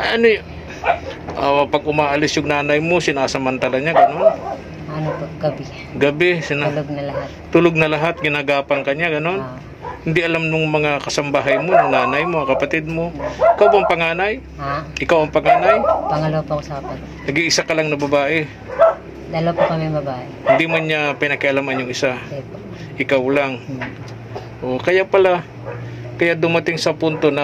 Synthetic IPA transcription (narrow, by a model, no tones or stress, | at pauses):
ʔajʔɐnoj | ʔapɐɡ̚ʔʊmaːʔɐlɪsjʊŋnaːnɐjmo̞sɪnaːsɐmɐnt̪alaɲaɡɐnon | ɐnopoɡɐbɪ | ɡɐbɛsɪnoɡ̚nɐlɐɦatt̪ːuloɡ̚nɐlɐɦat̪̚ɡɪnaːɡaːpɐŋkɐɲaɡɐno̞n | hɪnd̪ɪʔɐlamnʊŋmɐŋakɐsɐmbaɦajmonʊŋnaːnɐjmoɐkɐpɐt̪ɪd̪̚mo̞ʔɪkawbaʔɐŋpɐŋaːnaj | aʔɪkawɐŋpɐŋaːnajpɐŋɐlopokosɐkɐpɐ | nɐɡɪŋʔɪsakɐlaŋnɐbɐbaːʔɛ | d̪aːlɐpokɐmiɐŋbɐbaːʔɛhɪnd̪imanɲapɪnɐkɪʔɐlamanjʊŋɪsa | ʔɪkawlaŋ | ʔokɐjapɐla | kɐjaʔd̪ʊmɐt̪ɪŋsɐpʊnt̪o̞nɐ